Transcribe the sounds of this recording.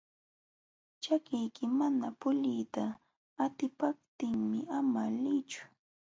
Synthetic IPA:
t͡ʃakɪjkɪmanapʊʎɪjt̪aː | t̪ɪpap̚t̪ɪŋmɪʔamalɪt͡ʃʊ̥

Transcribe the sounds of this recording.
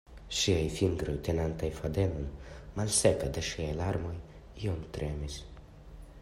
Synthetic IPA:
ʃiajfiŋɡɾojt̪enant̪ajfad̪elonmalseped̪eʃiajlaɾmoj | iomt̪ɾemis

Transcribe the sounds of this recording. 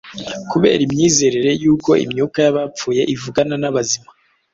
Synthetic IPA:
kuβe̞̰ːɾimɲiːze̞ɾeɾe̞juːko̞ḭmɲuːkajaβap͡fuːje̞ʔivuɡananaβazima

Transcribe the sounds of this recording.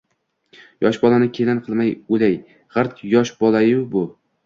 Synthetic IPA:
jɒʃbɒlˠanɪkʲʰelanqʰɨlˠmajolaj | ʁɨɾt̪jɒʃbɒlˠajɪbʊ

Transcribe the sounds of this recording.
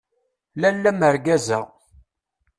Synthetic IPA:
lælːæməɾɡæzæ

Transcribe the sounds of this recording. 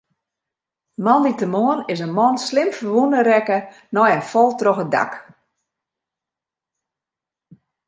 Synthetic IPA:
mɔnditəmoənɪs̬ənmɔnslɪmfərʋundəɾɛkə | nɔjənfɔlˠtroxəda̰k

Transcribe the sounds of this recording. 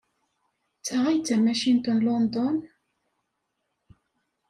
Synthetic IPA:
t͡sːəʁæjt͡sːæmæʃint̪ənlɔnd̪ɔn

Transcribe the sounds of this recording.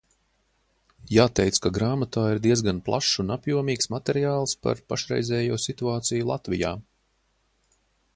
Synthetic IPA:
jaːt̪ɛjt̪skaɡɾaːmat̪aːiɾd̪iɛəzɡanplˠaʃunapjuɔmiːksmat̪ɛɾiaːlˠspa̰ɾpaʃɾɛ̰jzɛːjuːsit̪uaːt̪sijulˠat̪vijaː

